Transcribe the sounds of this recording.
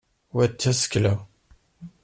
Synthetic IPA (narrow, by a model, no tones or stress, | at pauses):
wæt͡sːæsə̥klæ